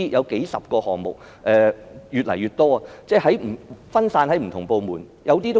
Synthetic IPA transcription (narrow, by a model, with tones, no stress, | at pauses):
jɐ˨˧wke˨˥jsɐ̰˨p̚kɔː˧hɔː˨˩ŋmʊ˨k̚ | ʔɛː˨jyː˨t̚lɐ̰˨˩jyː˨˩t̚t̪ɔː˥a˧t͡sɛː˥˧˩hɐ˨˥jm̩˨˩fɐ˥nsaː˧nhɐ˨˥jm̩˨˩tʰʊ˨˩ŋpo˧wmuː˨˩n | jɐ˨˧wt̪iː˥t̪o˥